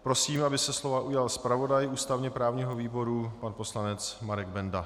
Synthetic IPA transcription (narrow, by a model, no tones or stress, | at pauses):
pɾo̞siːmʔabɪsɛslo̞vaʔujalspɾavo̞dajʔuːst̪avɲɛpɾaːvɲiːɦoviːbo̞ɾupanpo̞slanɛt͡smaɾɛɡbɛnda